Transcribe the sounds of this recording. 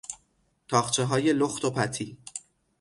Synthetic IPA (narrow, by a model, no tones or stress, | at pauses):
t̪ʰɒːxt͡ʃʰeɦɒːje̞loxt̪ʰopʰæt̪ʰiː